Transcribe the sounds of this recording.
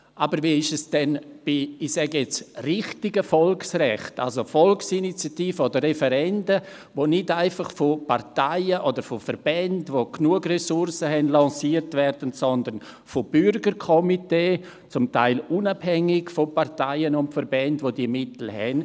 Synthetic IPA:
ʔaːbəɾviːɪʃɛsd̥ɛnb̥iɪsɛɡjɛt͡srɪχtɪɡəfɔlksrɛχta̰lsofɔlksinit͡sjatiːfəoːdəɾrɛfɛɾɛndə | voːnɪdaɪfɑχfopartaɪəʔodəɾfofəɾb̥ɛndvoknuəɡrɛsʊɾsəɦɛnlɑ̃siːəɾtvɛrdəntsɔndən | fob̥ʏɾɡəɾkʰɔmiteː | t͡sʊmta̰ɪlunabhɛŋɪɡfopartaɪənʊntfəɾbɛndvodiəmɪtl̩hɛ̰n

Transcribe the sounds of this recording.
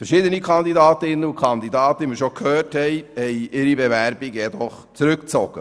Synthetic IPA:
fɛɾʃiːd̪ənikʰɑnd̪idɑːt̪əɪnːəukʰɑnd̪id̪ɑːt̪əiməɾʃɔkʰhøːrthɛjhɛjʔɪɾibevæɾbiɡjɛd̪ɔχ | t͡suɾʉkt͡sɔɡ̥ə̰

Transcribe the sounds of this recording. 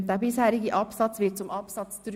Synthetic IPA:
d̥ɛːbɪshɛːɾɪɡəʔɑpsɑt͡svɪt̚t͡sʊmʔɑpsɑt͡st͡sɾ

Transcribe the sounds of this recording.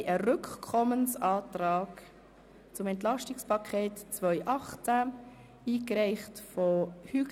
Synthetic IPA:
ʔərʏkkʰɔmənsɑːtraːk | t͡sʊmɛntlɑʃtɪkspʰɑkʰeːtt͡svœʏʔɑχt͡sæ | iːkɾɛɪχtfɔhy

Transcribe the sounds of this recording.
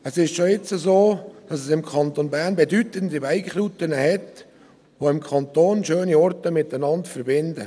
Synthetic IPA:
əsɪʃtʃoɪt͡səzoːd̥ɑsɛsɪmkʰɑnt̪onbæːɾnbɛdytəndibæɪkχɾuːtənəhɛt | ʋoɪmkʰɑnt̪oːnʃøːniɔɾtəmɪtənɑntfəɾbɪndə

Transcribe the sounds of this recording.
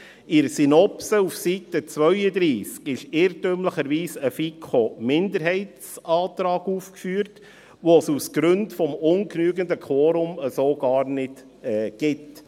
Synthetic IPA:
ɪɾsinɔpsəufsitət͡sʋœʏəd̪ɾiːskɪʃɪɾtømləχəɾʋiːsəfikʰomɪndəɾɦɛɪtt͡sɑːtɾɑːɡuːfkfyːɾt | ʋosusɡ̥ɾʏntfɔmʊnknyːɡəndəkʰoːɾʊməsoːɡ̥ɑːɾnɪt | ɛːɡ̥ɪt

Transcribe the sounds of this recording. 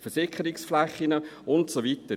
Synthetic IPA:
fəɾsɪkəɾɪksflæχːinəʊntsovitə

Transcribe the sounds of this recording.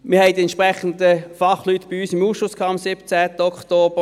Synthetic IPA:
mɪːɐhɛɪdiɛntt͡ʃʃpʁɛχən̩dəfɑχlytːb̥ɪyːsɪmuːsʃʊskʰɑːɑmsɪbt͡sæːtəɔktoːb̥ə

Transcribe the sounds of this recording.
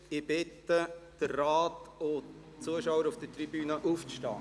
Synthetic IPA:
ɪb̥ɪtːəd̥ərːaːto | t͡suəʃaʊwəɾufd̥ətrib̥yːnəʔuːft͡sʃtɑ̰ː

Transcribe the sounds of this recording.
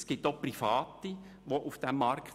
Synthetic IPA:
sɡ̥itːoprifɑːt̪i | ʋoʔufd̥ɛmːɑɾkt

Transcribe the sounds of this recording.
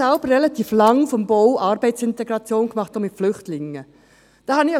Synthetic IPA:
ɛlb̥ərʁɛlɑt̪iːflɑŋfɔmboʊʔɑːɾbɛɪtsɪnt̪ɛɡɾɑt͡sjoːnkmɑχtomɪtflʏχtlɪŋːə | d̥ɑːhɑnɪ

